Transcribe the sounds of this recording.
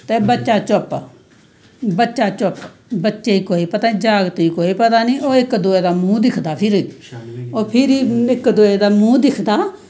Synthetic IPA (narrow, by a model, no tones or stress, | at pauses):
t̪eːbətːʃaːt͡ʃʊp | bətːʃaːt͡ʃʊp | bətːʃeːiːkoːiːpət̪aːnĩːd͡ʒaːɡt̪iːkoːiːpət̪aːnĩːʔoːɪkd̪oːeːd̪aːmũːd̪ɪkʰd̪aːpʰɪɾ | oːpʰɪɾiːɪkd̪oːeːd̪aːmũːd̪ɪkʰd̪aː